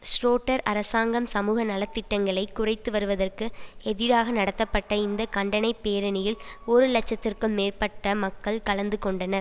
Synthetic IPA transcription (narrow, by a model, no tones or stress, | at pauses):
sʈoːʈːɐɾɐɾɐsaːŋɡɐmsɐmuːɣɐnɐlɐt̪ːɪʈːɐŋɡɐɭɐɪkːʊrɐɪt̪ːɯʋɐɾɯʋɐðɐrkɯɛðɪɾaːɣɐnɐɽɐt̪ːɐpːɐʈːɐɪnd̪ɐkɐɳɖɐnɐɪpːeːɾɐnɪjɪlɔɾɯlɐt͡ʃːɐt̪ːɪrkɯmːeːrpɐʈːɐmɐkːɐɭkɐɭɐnd̪ɯkɔɳɖɐnɐɾ